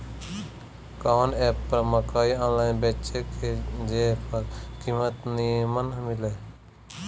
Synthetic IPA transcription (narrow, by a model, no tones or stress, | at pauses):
kaneːpːɾəməkaːiãːnlaːɪnbet͡ʃekʰed͡ʒepʰəɾkimət̪nimənɦmile